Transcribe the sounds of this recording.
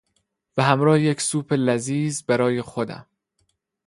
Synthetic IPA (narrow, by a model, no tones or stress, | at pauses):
væɦæmɾɒːhejecsuːpʰelæziːzbæɾɒːje̞xod̪æ̰m